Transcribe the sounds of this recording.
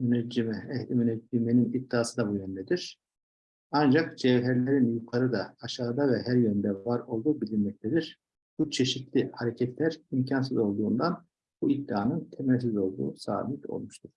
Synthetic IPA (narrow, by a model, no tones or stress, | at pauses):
mynɛd͡ʒimɛmynɛd͡ʒimeninib̚d̪̥ːaːsɯd̪abujønd̪ɛd̪iɾ̥ | and͡ʒakd͡ʒɛvɦɛɾlʲeɾinjukʰaɾɯd̪aːʃaːd̪avɛɦæɾjønd̪ɛvaɾo̞lˠd̪uːbilʲinmɛc̚t̪ʰed̪iɾ̥ | b̥ut͡ʃʰe̞ʃit̪lʲihaɾɛcʰɛt̪ʰlʲæɾimcʰans̬ɯzo̞lˠd̪uːnd̪an | buid̪ːiaːnɯnt̪ʰemæɾs̬izo̞lˠd̪ṵːsa̰ːmit̪ʰo̞̰lˠmuʃt̪ʰuɾ̥